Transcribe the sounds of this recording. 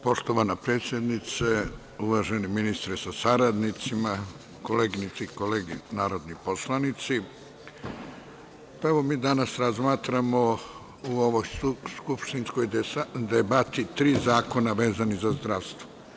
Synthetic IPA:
po̞ʃt̪oʋanapɾe̞ːt̪sʲjed̪nit̪se | uʋaʒeniminist̪ɾesasaɾad̪nit̪sima | koleːɡinit̪sikoleːɡinaːɾo̞d̪nipo̞slˠanit̪si | paeʋo̞miːd̪anasɾazmaːt̪ɾamo | uoʋojskupʃt̪inskojad̪ebat̪it̪ɾiːzaːko̞naʋe̞ːzanizazd̪ɾaʋst̪ʋo

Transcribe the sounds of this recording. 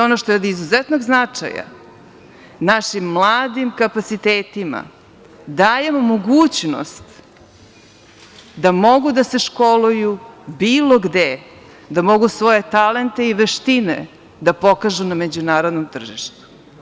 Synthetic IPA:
onoʃt̪oed̪izuzɛt̪noɡznat͡ʂa̰ja̰ | naʃimːlˠaːd̪imkapat̪sit̪eːt̪ima̰ | d̪aːje̞momoɡuːt͡ɕno̰st̪ | d̪amo̞ɡud̪ase̞ʃkolujubiːlˠo̞ɡd̪e | d̪amo̞ɡusʋo̞je̞t̪ale̞nt̪e̞iʋeʃt̪inḛ | d̪apo̞kaʒunamed͡ʑunaːɾod̪nomt̪r̩ʒiʃt̪u̥

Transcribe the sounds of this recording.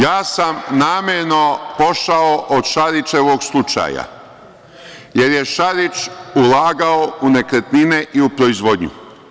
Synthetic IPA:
jaːsamnaːmeɾno̞po̞ʃaoʔod̪ʃaɾit͡ʃeʋoːɡslˠut͡ʃa̰ja̰ | je̞ɾje̞ʃaɾit͡ʃulaːɡaounekɾet̪nineʔiupɾoizʋo̞d̪ɲṵ

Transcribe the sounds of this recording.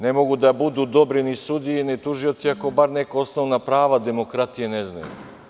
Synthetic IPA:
nemo̞ɡud̪abud̪uːd̪obɾinisud̪ijinit̪uʒio̞t̪siako̞baɾnekoosnoʋnapɾaːʋad̪emo̞kɾat̪ijenezna̰jṵ

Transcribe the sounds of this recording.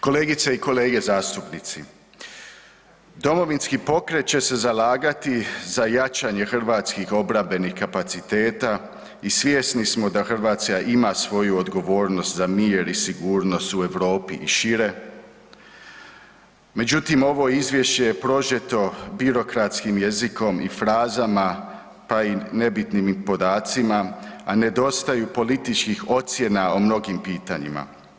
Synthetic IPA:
ko̞le̞ːɡit̪seiko̞le̞ːɡe̞zaːst̪upnit̪sḭ | d̪o̞mo̞ʋinskipo̞kɾe̞t̪̚t͡ɕe̞se̞zalaːɡat̪izajat͡ʃaɲe̞xr̩ʋaːt̪skixo̞bɾabe̞nixkapat̪sit̪e̞ːt̪a | isʋjesnismo̞d̪axr̩ʋaːt̪skaʔimasʋo̞juod̪ɡo̞ʋo̞ːɾno̞st̪zamiːɾisiɡuːɾno̞st̪ue̞ʋɾo̞ːpiʔiʃiɾe̞ | me̞d͡ʑut̪imo̞ʋo̞izʋje̞ʃt͡ɕe̞je̞pɾo̞ʒet̪o̞biɾo̞kɾat̪skimje̞ziko̞mifɾaːzama | paine̞bit̪nimpo̞d̪aːt̪simaane̞d̪o̞st̪ajupo̞lit̪it͡ʃkixo̞t̪sje̞naomno̞ɡimpiːt̪aɲḭma̰

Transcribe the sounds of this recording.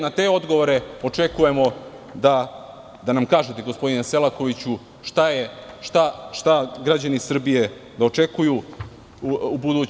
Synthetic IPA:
nat̪e̞o̞d̪ɡo̞ʋo̞ɾe̞o̞t͡ʂe̞kuje̞mo̞ | d̪a | d̪anamkaːʒet̪eɡo̞spo̞d̪ineselˠako̞ʋit͡ɕu | ʃt̪ajeʃt̪aʃt̪aɡɾad͡ʑanisr̩bije̞d̪ao̞t͡ʂe̞kuju | ubud̪uː

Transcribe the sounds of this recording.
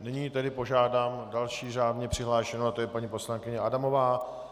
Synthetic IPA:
nɪɲiːt̪ɛdɪpo̞ʒaːdaːmdalʃiːr̝aːdɲɛpr̥ɪɦlaːʃɛnonat̪ojɛpaɲipo̞slaŋkɪɲɛʔadamo̞vaː

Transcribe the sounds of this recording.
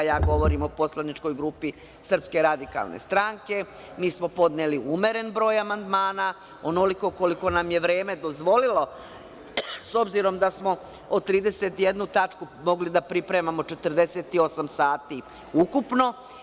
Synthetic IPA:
jaːɡo̞ʋo̞ɾimo̞po̞slˠanit͡ʃko̞jɡɾuːpi | sr̩pske̞ɾad̪ika̰lˠnḛst̪ɾaŋke̞ | miːsmo̞po̞d̪neliʔume̞ɾe̞nbɾoːjamand̪maːna | onoliko̞ko̞liko̞namjeʋɾe̞ːme̞d̪o̞zʋo̞lilo̞ | so̞bziɾo̞md̪asmo̞ | ot̪ɾiːd̪e̞set̪je̞d̪nut̪at͡ʃku | mo̞ɡlid̪apɾipɾe̞mamo̞t͡ʃe̞t̪r̩d̪e̞set̪io̞samsaːt̪i | ukupno̞

